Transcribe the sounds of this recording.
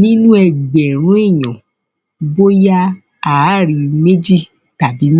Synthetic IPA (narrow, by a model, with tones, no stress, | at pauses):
nĩ˦nũ˦ɛ˨ɡ͡bɛ˨ɾ̃ũ˦e˦˨jɔ̰̃˨ | bo˦ja˦ | a˨˦ɾi˧me˦d͡ʒi˦˨ | ta˨bi˨˦m˦